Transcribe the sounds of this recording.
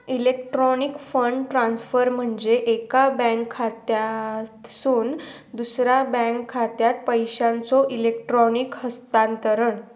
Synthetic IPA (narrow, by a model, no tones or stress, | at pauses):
ilek̚ʈɾɔnikfəɳɖʈɾãnsfəɾm̤əɳd͡zeʔekabɛ̃ŋkʰːat̪jat̪suːn | d̪usɾabɛ̃ŋkʰːat̪jat̪̚pəjɕãnt͡sɔʔilek̚ʈɾɔnikhəst̪ant̪əɾəɳ